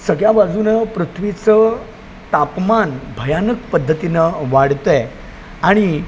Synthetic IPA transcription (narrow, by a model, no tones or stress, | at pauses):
səɡɭjabad͡zuːnəpɾut̪ʰʋit͡sə | t̪apmanbʱəjanəkpəd̪ʱːət̪inəʋaɽ̤t̪ɛ | aɽ̃i